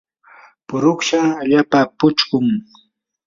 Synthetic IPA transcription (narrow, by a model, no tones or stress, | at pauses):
pʊɾʊkʃaʎapapʊt͡ʃkʊŋ